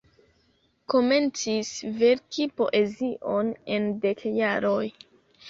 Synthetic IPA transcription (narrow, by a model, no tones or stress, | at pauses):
ko̞me̞nt͡sisveɾkipo̞̰ʔe̞ziʔo̞ne̞nde̞kjaɾoj